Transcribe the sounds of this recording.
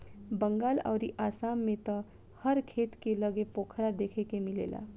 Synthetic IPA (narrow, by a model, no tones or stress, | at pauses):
bə̃ŋɡaːla̰ʊɾiʔaːsamːẽt̪ɔ̃ | həɾkʰeːt̪keləɡepoːkʰɾad̪ekʰekemilḛːla̰